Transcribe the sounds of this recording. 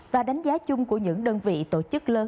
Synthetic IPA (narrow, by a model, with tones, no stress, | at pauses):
vaː˨˩ɗa˨˦jŋ̟zaː˨˦t͡ɕʊ˧ŋ͡mku˧˩əɲɨ̰˧˥ŋɗəː˧nvḭ˧˨t̪o̰˧˩t͡ɕɨ˦˥k̚ləː˨˦